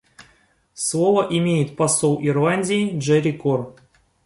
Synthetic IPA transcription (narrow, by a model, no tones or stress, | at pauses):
slˠovəʔimʲejɪt̪̚pasolˠʔirlˠanʲdʲijiʐɛɾʲikor